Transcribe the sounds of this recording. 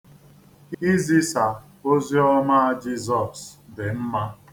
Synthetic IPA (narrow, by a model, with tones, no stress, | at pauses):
i˦zi˦sa˨ | o˦zi˦ɔ˦ma˦a˦d͡ʒi˦zɔ˨sdɪ˨m̩˦ma˦